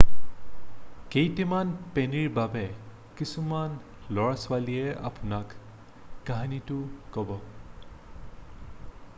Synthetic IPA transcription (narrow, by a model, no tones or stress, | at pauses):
kejtimanpeniɹbabɛ | kisuman | lɔɹasʊwaliɛa̰pʊnakː | aɦanitʊkɔbɔ